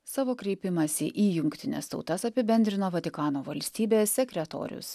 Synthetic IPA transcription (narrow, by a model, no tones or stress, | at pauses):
sɑːʋoːkɾʲɛɪpʲɪmɐsʲɪʔiːjʊŋʲkt̪ʲɪnʲḛst̪ɒ̰ʊt̪ɐsɐpʲɪbʲɛnʲd̪ɾʲɪnoːʋɐt̪ʲɪkɑːnoːʋɐlʲsʲt̪ʲiːbʲeːsʲsʲɛkʲɾʲɛt̪o̰ːɾʲʊ̰s